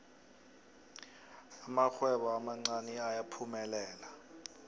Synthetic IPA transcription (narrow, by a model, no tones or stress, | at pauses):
amak͡xʰwɛɓɔamaŋ͡ǀanɛajapʰumɛlɛːla